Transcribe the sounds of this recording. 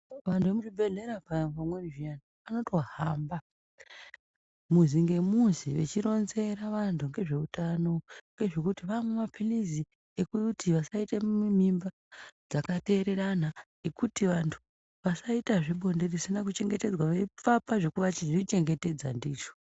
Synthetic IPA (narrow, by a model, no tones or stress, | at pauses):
ʋantʰuʋemut͡ʃibʱe̞ɮe̞ɾapapamweiʐiana | ano̞to̞haːmba | muziŋɡe̞muziʋe̞̰t͡ʃiɾo̞nze̞ɾaʋantʰuŋɡe̞ʐe̞utano̞ŋɡe̞ʐe̞kutiʋamwemapʰilizi | ekutiʋasaitemim̤imba | d͡zakate̞ːɾe̞ɾana | ekutiʋantʰu̥ | ʋasaitaʐiɓo̞nderisinak̬ut͡ʃe̞ŋɡe̞te̞d͡zwaʋep͡fapaʐe̞kuʋat͡ʃiʐit͡ʃe̞ŋɡe̞te̞d͡za̰ndiːʐo̥